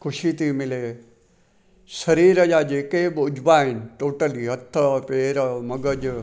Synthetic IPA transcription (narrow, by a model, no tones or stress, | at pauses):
kʰʊʃit̪iːmɪleː | sɐɾiːɾəd͡ʒaːd͡ʒeːkeːbʊd͡ʒbaːɦɪnʈoːʈəliːɦɐt̪ʰːəpeːɾmɐɡəd͡ʒ